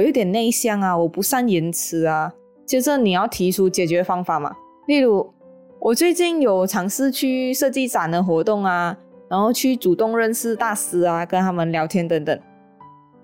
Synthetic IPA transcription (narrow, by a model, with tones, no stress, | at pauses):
ɔ˨˩jo˧˥ʊt̪jɛ˨˩ne˥˧ɪɕjɑ˥˩ŋa˨wɔ˨˩pu˧˥sa˥˧nji˧˥nt͡s̩ʰ˧˥a˧ | t͡ɕʰi˧˥t͡sə˧˦ni˨˩jɑ˥˩ʊt̪ʰi˧˥ʈ͡ʂʰu˥t͡ɕjɛ˨˩t͡ɕɥɛ˧˥fɑ˥ŋfa˨˩˦ma̰˨ | li˥˩lu˧˥ | wʔɔ˨˩t͡swe˥˧ɪt͡ɕi˥˩njo˨˩ʊt͡sʰɑ˧˥ŋsɹ̩˥˧t͡ɕʰy˥˧ʂɤ˥˧t͡ɕi˥˩t͡sa˨˩nd̪ə˩˦xwɔ˧˥t̪ʊ˥˩ŋa˩ɻa˧˥nxo˥˧ʊt͡ɕʰy˥˩t͡su˨˩t̪ʊ˥˧ŋɻə˥˧nsɹ̩˥˧t̪a˥˧sɹ̩˧˥a˧kə˦nt̪ʰa˥mə˨nljɑ˧˥ʊt̪ʰjɛ˥nt̪ə˧˦ŋt̪ə̰˨˩ŋ